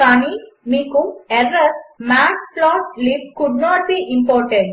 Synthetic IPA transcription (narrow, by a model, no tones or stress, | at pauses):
kaːnimiːkuɛɖɾɐsmaːʈplɔːʈlipkuɖnɔːʈ̚biːʔĩmpɔːɾʈẽɳɖ